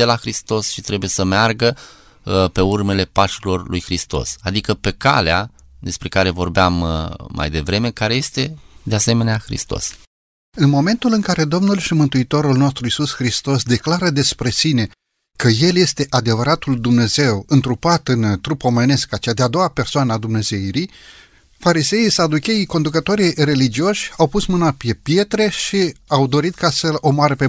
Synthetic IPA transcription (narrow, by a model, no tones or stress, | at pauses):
elaxɾist̪o̞sʃit̪ɾe̞buje̞səmearɡə | pe̞urme̞le̞paʃilo̞rlujxɾist̪o̞̰sad̪ikəpe̞ka̰lea | d̪e̞spɾe̞kaɾe̞vo̞rbeamːa̰jd̪e̞vɾe̞me̞kaɾe̞je̞st̪e̞d̪ease̞me̞neaxɾḭst̪o̞̰s | ɨnmo̞me̞nt̪ulɨŋkaɾe̞d̪o̞mnulʃimɨnt̪uit̪o̞ɾulno̞st̪ɾuisusxɾist̪o̞sd̪e̞klaɾəd̪e̞spɾe̞sine̞ | kəje̞lje̞st̪e̞ʔad̪e̞vəɾat̪uld̪umne̞ze̞wɨnt̪ɾupat̪ɨnt̪ɾupo̞me̞ne̞skat͡ʃead̪ead̪o̞wape̞rsoanəad̪umne̞ze̞iɾij | faɾise̞isad̪ukʲe̞iko̞nd̪ukət̪o̞ɾijre̞lid͡ʒio̞ʃʲawpusmɨnape̞pje̞t̪ɾe̞ʃiawd̪o̞ɾit̪kasəo̞moaɾəpe̞